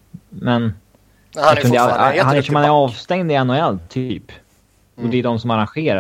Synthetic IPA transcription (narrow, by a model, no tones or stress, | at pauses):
mɛn | aɵnd̪əaahanæʂɔmhanæɾɑːvst̪ɛŋd̪ɪanːɛlt̪ʰy̰ːp | ɔd̪ɛːd̪ɔmsɔmaɾanɧeːɾa